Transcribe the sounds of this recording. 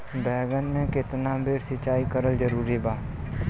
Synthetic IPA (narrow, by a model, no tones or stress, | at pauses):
bɛːɡənmẽkɪt̪nabeːɾsɪt͡ʃaːikəɾəld͡ʒəɾuːɾibaː